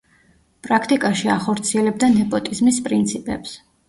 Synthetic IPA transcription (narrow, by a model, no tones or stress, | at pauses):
pʼɾakʰt̪ʼikʼaʃiaχɔɾt̪sʰiɛlɛb̚d̪anɛpʼɔt̪ʼizmispʼɾint̪sʰipʼɛ̰ps